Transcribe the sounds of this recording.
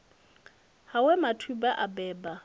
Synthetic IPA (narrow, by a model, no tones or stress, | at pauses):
hawɛmatʰubaʔabɛːba